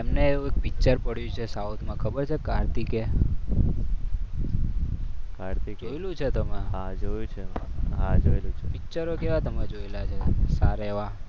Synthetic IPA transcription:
emneeũek̚pik̚t͡ʃəɾpəɽjũt͡ʃʰesaut̪ʰmãkʰəbəɾt͡ʃʰekaɾt̪ike | kaɾt̪ikd͡ʒoelũt͡ʃʰet̪əmãɦãd͡ʒojũt͡ʃʰeɦãd͡ʒoelũt͡ʃʰepik̚t͡ʃəɾokeʋat̪əmad͡ʒoelat͡ʃʰesaɾeʋã

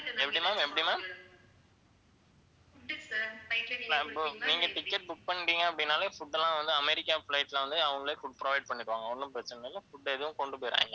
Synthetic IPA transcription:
ɛpːɐɽimaːmɛpːɐɽimaːm | laɪpːoːniːŋɡɐʈɪkːɛʈ̚bʊk̚pɐɳːɪɾiːŋɡɐɐpːɐɽɪnːaːlɐfʊɖːɛlãːʋɐnd̪ɯɐmɛɾɪkːaːflɐɪʈːlɐʋɐnd̪ɯɐʋɐŋɡɐɭeːfʊɖpɪɾɔʋɐɪɖ̚pɐɳːɪɾɯʋaːŋɡɐɔnːɯpɾɐt͡ʃːɪnɐɪlːɐfʊɖːɛðɯʋʊ̃kɔɳɖɯpoːɪɾa̰ːŋɡɐ

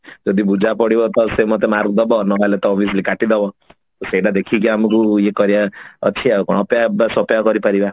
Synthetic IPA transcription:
d͡ʒɔd̪ibud͡ʒapɔɽibɔt̪ɔsemɔt̪emaɾkd̪ɔbɔnɔʋalet̪ɔːbʱiɔslikaʈid̪ɔbɔ | t̪ɔseiʈad̪ekʰikiamukuekɔɾjaɔ̰t͡ʃʰiakɔ̰ɽ̃ɔpjabasɔpjakɔɾipaɾiba

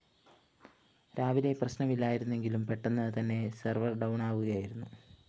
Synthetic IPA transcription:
ɾaːʋile̞prɐɕnɐmilːaːjiɾunːe̞ŋɡilumpe̞ʈːɐnːɐɨt̪ɐnːe̞sɐrʋɐrɖɐwɳaːʋuɣɐjaːjiɾunːu

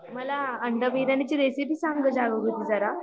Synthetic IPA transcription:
məlaəɳɖəʋid̪anit͡ɕiɾesipiːsaŋɡəd͡ʑaɡəɡut̪id͡zaɾa

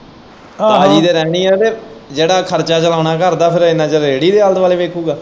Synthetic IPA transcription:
aːd͡ʒiːd̪eːɾɛːɽ̃iːɛːt̪eːd͡ʒeːɽaːkʰəɾt͡ʃaːt͡ʃəlaːnaːkəɾd̪aːpʰɪɾɪnãːd͡ʒəɾeːɽiːd̪eːalt̪ʋaːleːʋeːkʰuːɡaː

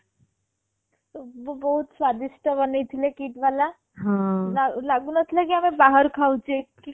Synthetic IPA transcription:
t̪oʋobəɦut̪sʋad̪iʃʈabəneit̪ʰilekiːʈʋala | ɦãlalaɡunət̪ʰlakiɦamẽbaɦəɾkʰaut͡ʃʰeki

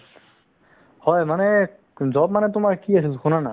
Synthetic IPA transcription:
hɔemane | d͡ʑɔbab̚manɛt̪̬ʊmaɾkiasilkʰonana

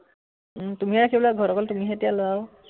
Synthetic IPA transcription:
tumiɦɛɹakʰibɔlaɡʱɔɹɔkɔltumiɦɛtijaloaw

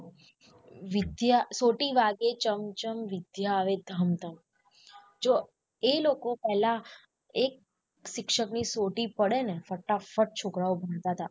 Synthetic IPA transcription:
ʋɪd̪jasoʈiʋaɡet͡ʃəmt͡ʃəmʋɪd̪ʱjaəʋed̪ʱəmt̪a | d͡ʒo | elokopɛɦla | ek̚ | ʃɪkʃəknisoʈipəɽenefəʈːafəʈ̚t͡ʃʰokɾaobʱəɽ̃t̪at̪a

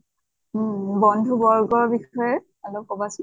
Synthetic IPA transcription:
bɔndʱubɔɹɡɔɹbixɔjɛ | alokɔbasi

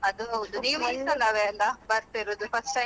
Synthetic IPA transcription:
ɐd̪uɐud̪uniːmisɐlɐʋelːɐbɐɾt̪iɾud̪upɐsʈɐ

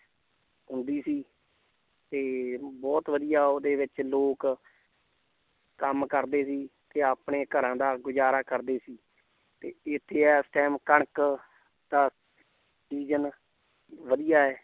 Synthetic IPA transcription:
ɦʊnd̪iːsiː | t̪eːbɔːt̪ʋəd̪ijaːoːd̪eːʋɪt͡ʃloːk | kəmkəɾd̪eːsiːt̪eːaːpɳeːkəɾãːd̪aːɡʊd͡ʒaːɾaːkəɾd̪eːsiː | t̪eːɪt̪ʰːeːɛːsʈɛːmkəɳk | d̪aː | siːd͡ʒən | ʋəd̪ijaːɛː

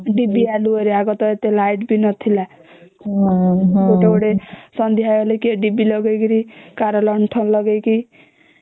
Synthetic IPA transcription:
ɖibialuɔɾiaɡɔt̪ɔet̪elajʈbinɔt̪ʰila | oʈeoɽesɔnd̪ʱijajolekeɖibilɔɡejkiɾikaɾɔlɔɳʈʰɔlɔɡejki

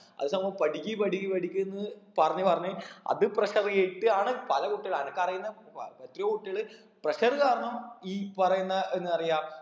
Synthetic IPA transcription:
ɐ̰ðɨsɐmbɐmpɐʈikʲːipɐʈikʲːipɐʈikʲːuenːɨpɐrɐɲːupɐrɐɲːuɐ̰ðɨprɐɕɐrieʈːɨaːɳɨpɐlɐkuʈːiɐɭaːnɐkːɐrɐjunːɐ | et̪riokuʈːiɭɨ | prɐɕɐrɨkaːrɐɳɐmiːpɐrɐjunːɐʔe̞nːɨɐrijaː

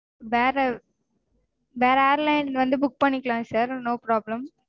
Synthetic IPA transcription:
ʋeːɾɐ | ʋeːɾɐeːɐɾlɐɪnʋɐnd̪ɯbʊk̚pɐɳːɪkːɐɭãːsɐɾnoːpɾaːblɐ̃m

